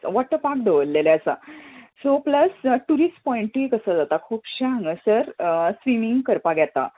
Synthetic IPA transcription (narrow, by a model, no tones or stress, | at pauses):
ʋɔʈːəpak̚d̪eʋəlːeleəsa̰sopləsʈuɾisʈpɔ̃iɳʈikəsəːd͡zat̪akʰuːpɕaə̃ŋɡəsəɾsʋimiŋɡkəɾpaɡɛt̪a̰